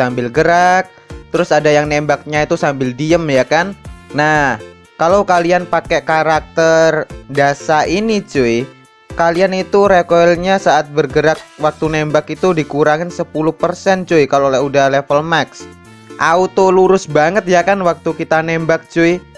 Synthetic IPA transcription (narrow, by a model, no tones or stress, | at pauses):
sambɪlɡəɾak̚ | t̪əɾʊsadajaŋnembak̚ɲait̪usambɪldiəmjakanːa | kalowkalianpakɛkaɾak̚t̪ərdasaʔinit͡ʃuɪ | kalianit̪uɾekoɛlɲasaʔat̪̚bərɡəɾak̚wak̚t̪unembakit̪udikuɾaŋɪnsəpulʊhpərsɛnt͡ʃuɪkalolɛudahlefəlmaks | ʔaut̪oluɾʊsbaŋət̪̚jakanwak̚t̪ukit̪anembak̚t͡ʃuɪ